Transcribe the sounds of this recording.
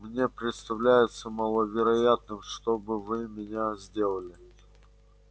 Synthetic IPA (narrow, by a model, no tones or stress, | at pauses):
mnʲe̞pɾʲɪt̪st̪ɐvlʲæjɪt̪səmalˠəvʲɪɾɐjat̪̚nɨmʂt̪obɨvɨmʲɪnʲazʲdʲe̞lˠəlʲɪ